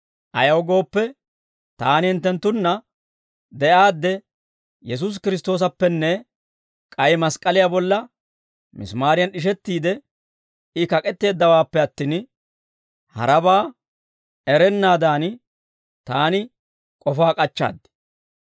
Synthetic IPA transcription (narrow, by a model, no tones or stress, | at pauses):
ʔɐjɐwɡo̞ːpːɛ | t̪aːnɪhɪnt̪ːɛnt̪ːʊnːɐ | d̪ɛʔaːd̪ːɛ | jɛs̬us̬kɪɾɪst̪o̞ːs̬ɐpːɛnːɛ | kʼɐjmɐskʼɐlɪjabɔlːɐ | mɪ̰smaːɾɪjɐnɗɪʃ̬ɛt̪ːiːd̪ɛ | ɪkɐkʼɛt̪ːe̞ːd̪ːɐwaːpːɛɐt̪ːiːn | hɐ̰ɾɐbaː | ɛɾɛnːaːd̪aːn | t̪aːnɪ | kʼɔfaːkʼɐt͡ʃːa̰ːd̪ːɪ̥